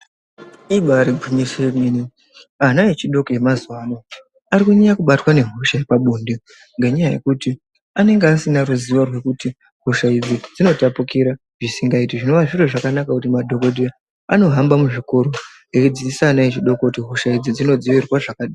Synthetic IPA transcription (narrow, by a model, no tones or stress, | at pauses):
iɓaɾibʱuɲisemeni | anaet͡ʃiɗo̞koje̞mazwano | aɾikuɲeɲakuɓatwane̞ɦuʃajepaɓuːndi | ŋɡeɲajaje̞̰kuti | ane̞ŋɡeasinaɾuziʋorwe̞kuti | ɦuʃaid͡zid͡zino̞tapukiɾa | ʐisiŋɡaitiʐino̞ʋaʐiroʐakanakakutimadʱo̞kodʱe | ano̞ɦambamuʐiko̞ɾo | ekud͡ziisaːnaet͡ʃiɗo̞kokutiɦoʃaid͡zid͡zino̞d͡zoʋirwaʐakaɗa